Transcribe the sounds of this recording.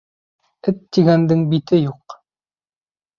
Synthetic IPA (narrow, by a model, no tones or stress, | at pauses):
ɘt̪ːiɡænd̪ɘŋbit̪ɘjuq